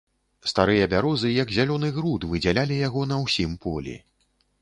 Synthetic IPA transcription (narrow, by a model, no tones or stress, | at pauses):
st̪aɾɨjɐbʲaɾɔzɨjɐɡzʲalʲɔnɨɣɾut̪vɨd͡zʲalʲalʲijaɣɔnɐwsʲimpʰɔlʲḭ